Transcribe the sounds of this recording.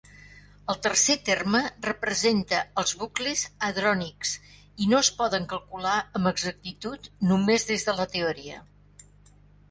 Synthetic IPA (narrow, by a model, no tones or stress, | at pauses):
əlˠt̪ərset̪ermərəpɾəzent̪əəlˠzβuklezəðɾɔniks | inoəspɔðəŋkəlˠkulaəmbəɡzək̚t̪it̪ut̪numezðezðələt̪eɔɾiə̰